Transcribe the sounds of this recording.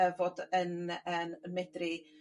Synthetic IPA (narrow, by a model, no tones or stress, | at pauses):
ɛvoːdənənmɛdri